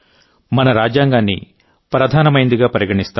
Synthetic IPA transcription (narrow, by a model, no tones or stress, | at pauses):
mɐnɐɾaːd͡ʒjaːŋɡaːnːḭ | pɾɐd̪ʱaːnɐmɐjnd̪iɡaːpɐɾiɡɐɳist̪a